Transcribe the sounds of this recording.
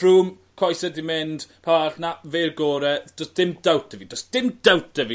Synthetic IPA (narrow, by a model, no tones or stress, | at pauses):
ruːm | kʰɔjsɛdimɪnd̥pʰaaɬnaverɡoːɾɛd̥ɔsd̥ɪmdawtdəvidɔsd̥ɪmd̥awt̚əvi